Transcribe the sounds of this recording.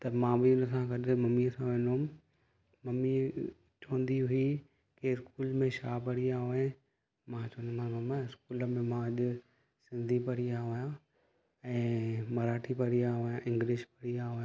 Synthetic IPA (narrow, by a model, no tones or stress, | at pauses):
t̪ɐmãːbʱɪʊnəsãɡɐɗɪmɐmiəsãʋẽːnoʊm | mɐmi | t͡ʃɐʋə̃n̆d̪iɦʊi | keɪskuːlmẽʃaːpɐɽijaːɦoẽ | mãt͡ʃɐ̃nd̪mãmãmɪskuːləmẽmãɐʄʊ̆ | sɪ̃nd̪ʱipɐɽijaɦojã | ɛ̃ːmɐɾaːʈʰipɐɽiaɦojãʔɪ̃ŋɡlɪʃpɐɽiaɦʊjã